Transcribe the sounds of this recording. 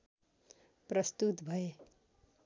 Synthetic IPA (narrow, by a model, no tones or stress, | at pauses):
pɾɐst̪ut̪bʱɐje